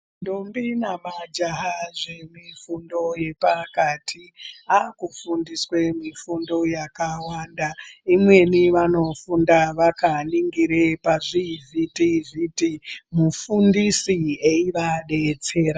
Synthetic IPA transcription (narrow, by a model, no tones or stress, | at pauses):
ndombinamad͡ʒaɦaʐe̞mifundo̞je̞pakatʰiakufundiswe̞mifundo̞jakawandaimwe̞niʋano̞fundaʋakaniŋɡiɾepaʐivʱitivitimufundisieiʋaɗe̞t͡se̞ːɾa